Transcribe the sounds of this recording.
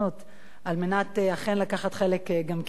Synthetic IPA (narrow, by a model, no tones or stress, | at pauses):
ot | ʔalme̞nateaχenlakaχat̪χelekɡamk